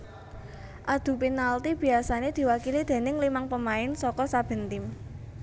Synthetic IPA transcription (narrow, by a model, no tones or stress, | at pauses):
ʔad̪̥ṳpinalt̪ib̥i̤asaned̪̥i̤wakilid̪̥e̤nɪŋlimaŋpəmaɪnsɔkɔsab̥ə̤nt̪ɪm